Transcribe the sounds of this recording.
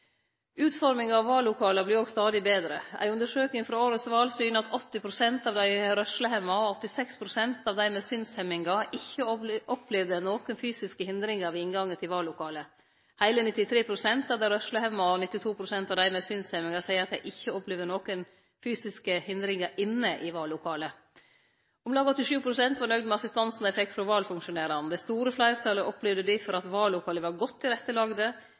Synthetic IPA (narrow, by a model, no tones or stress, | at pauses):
ʉːt̪fɔɾmɪŋɑʋʋɑːlːʊkʰɑːləblɪɾoːɡst̪ɑːd̪ɪbeːd̪ɾə̰æ̰ɪʉnd̪əʂøːknɪŋfɾɑoːɾət̪sʋɑːlsyːnɑt̪ʰɔt̪ːɪpʰɾʊsɛnt̪ɑːʋd̪æɪɾœʂləhɛmɑɔɔt̪ːɪsɛkspʰɾʊsɛnt̪ɑːʋd̪æɪmesʏnshɛmɪŋɑɪçːəʔɔpʰlɛʋd̪ənoːkənfyːsɪskəhɪnd̪ɾɪŋɑɾʋɪɪnɡɑŋːət̪ʰɪlʋɑːlːʊkʰɑːlə | hæɪlənɪt̪ːɪt̪ʰɾeːpʰɾʊsɛnt̪ɑʋd̪æɾœʂləhæɪmɑɔnɪt̪ːɪt̪ʰuːpʰɾʊsɛnt̪ɑʋd̪æɪmɛːsyːnsɛmɪŋɑsæɪəɾɑt̪jæɪʔɪçːəɔplɛʋd̪ənoːkən | fyːsɪskəhɪnd̪ɾɪŋəɾʔɪnːəʔɪʋɑːlːʊkʰɑːlə | ɔmlɑːɡɔt̪ːɪʂʉːpʰɾʊsɛnt̪ʋɑɾɳœɡd̪mɛɑsɪst̪ɑnsn̩d̪æɪfɛkt̪fɾɔʋɑːlfʉŋkʂʊneːɾɑnd̪ɛst̪uːɾəflæɪɾt̪ʰɑləʔɔplɛʋd̪əd̪ɪfɔɾɑt̪ʋɑːlːʊkʰɑːləʋɑɾɡɔt̪ʰːɪɾɛt̪ːəlɑːɡd̪ə